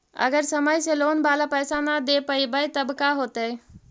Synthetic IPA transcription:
ə̰ɡəɾsəməjselonbalapəjsanad̪epəjbəjt̪əbkaɦot̪əj

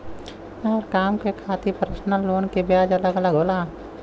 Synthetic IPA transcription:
ɐɾkaːmkekʰaːt̪ipəɾəsnəlːoːnkebjaːd͡ʒɐləɡələɡɦoːlaː

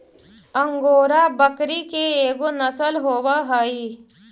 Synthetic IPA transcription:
ə̃ŋɡoːɾabəkɾikeeːɡonɐsəlɦoːwaɦaiː

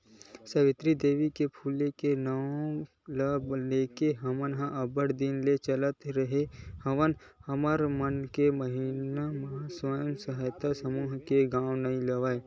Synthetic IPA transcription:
sɐʋɪt̪ɾid̪eːʋikepʰuːlekenɐõ | lableːkeɦɐmənɦãʔɐbəɽd̪ɪnlet͡ʃələt̪ɾəɦehɐʋən | hɐməɾmənkeməɦinamɐɦaswajəmsɐɦajt̪asəmuːɦkeɡãːwnɐĩlɐʋaːe

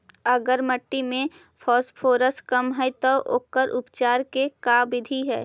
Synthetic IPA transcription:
əɡəɾməʈːimẽ | pʰɔːspʰoːɾəskəmɦɛt̪oʔo̰ːkːəɾʔʊpt͡ʃaːɾkekaːbɪd̪ʱiɦɛ̰ː

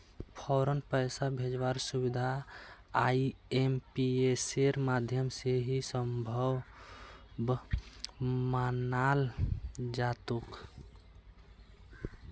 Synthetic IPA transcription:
pʰɔɾənpəɪsabʱed͡ʒʋaɾsuβid̪ʱaː | iempieseɾmad̪ʱjəmseɦisəmbʱəw | b | manal | d͡ʒat̪uk

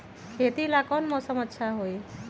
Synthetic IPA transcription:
kʰet̪ilakɔnmɔsəməːʃʰjaɦoj

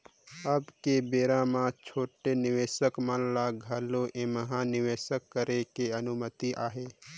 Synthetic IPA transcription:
əbkebeːɾãːmãt͡ʃʰoːʈenɪʋeːʃəkmənlaɡʱəloʔẽməɦanɪʋeːʃəkːəɾekeənʊmət̪iʔaːɦeː

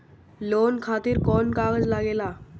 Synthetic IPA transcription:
lonkʰat̪iːɾkɔnkaɡəd͡zlaɡela

